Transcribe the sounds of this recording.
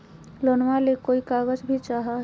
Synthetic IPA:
loːnmalekoːikaːɣəd͡ʒbʱit͡ʃaːɦa

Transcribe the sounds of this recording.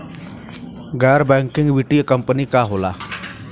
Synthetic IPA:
ɡɛːɾbɛ̃ːŋkɪŋɡʋiʈiːəkəmpəniːkaːɦoːla̰ː

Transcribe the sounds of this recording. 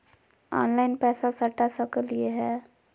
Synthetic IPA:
ɔ̰ːnlaːɪnpɛːsasɐʈːasəkəlieɦɛː

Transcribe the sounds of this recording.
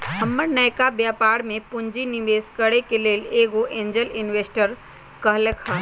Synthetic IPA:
ɦəmːəɾnəjkabjaːpaːɾmẽpʊɲd͡ʒinɪʋeːskəɽekeleːleːɡoʔẽːɲd͡ʒəlɪnʋeːsʈəɾ | kəɦləkha

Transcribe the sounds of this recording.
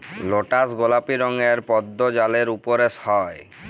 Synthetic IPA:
loʈasɡolapiɾɔŋeɾpɔd̪ːod͡ʑaleɾupɔɾesɔe

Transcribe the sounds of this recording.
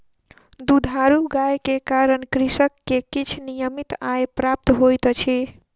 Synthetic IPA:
d̪ud̪ʱaɾuɡajkekaɾənkɾisəkːekit͡ʃʰnijəmit̪ajpɾap̚t̪ɦojt̪t͡ʃʰi

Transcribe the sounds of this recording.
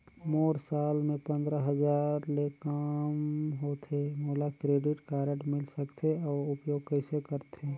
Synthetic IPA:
moːɾsaːlmẽpə̃nd̪ɾəɦəd͡ʒaːɾlekamɦot̪ʰemoːlakɾeːɖɪʈkaːɾəʈmɪlsəkt̪ʰeɔːɾʊpjoːɡ̚kəɪsekəɾt̪ʰeː

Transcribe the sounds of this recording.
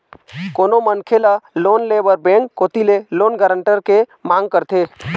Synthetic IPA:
koːnomənkʰelaloːnleːbəɾbẽːŋkːoːt̪ileloːnɡəɾəɳʈəɾkemãːŋɡ̚kəɾt̪ʰeː

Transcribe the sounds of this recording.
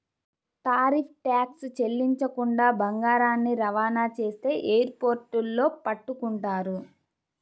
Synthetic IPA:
t̪aːɾiːpʰʈjaːkst͡ʃelːiɲt͡ʃɐkuɳɖaːbɐŋɡaːɾaːnːiɾɐʋaːnaːt͡ʃe̞ːst̪e̞ːʔeːjɐɾpo̞ːɾʈulːo̞ːpɐʈːukuɳʈaːɾu

